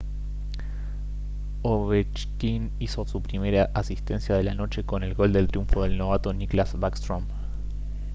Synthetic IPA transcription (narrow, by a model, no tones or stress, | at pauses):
oβet͡ʃkin | iso̞supɾime̞ɾaʔasist̪e̞nsjað̞e̞lano̞t͡ʃe̞ko̞ne̞lɣo̞ld̪e̞lt̪ɾjuɱfo̞ðe̞lno̞βat̪o̞niklazβakst̪ɾom